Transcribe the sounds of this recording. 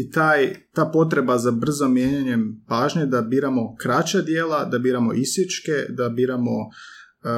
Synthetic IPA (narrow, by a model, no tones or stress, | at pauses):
it̪aːjt̪aːpo̞t̪̬ɾe̞bazabr̩zomjeːɲaɲe̞paːʒɲed̪abiːɾamo̞kɾat͡ɕad̪jeːlˠad̪abiːɾamo̞̰ʔisjet͡ʃke̞d̪abiːɾamo̞